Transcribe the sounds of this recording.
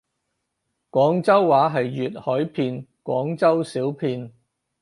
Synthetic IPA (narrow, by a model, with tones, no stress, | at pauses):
kʷɔː˨˥ŋt͡sɐ˥wːaː˨˥ɦɐ˨jːyː˨t̚hɔː˨˥jpʰiː˧nkʷɔː˨˥ŋt͡sɐ˥wsiː˨˥wpʰiː˧n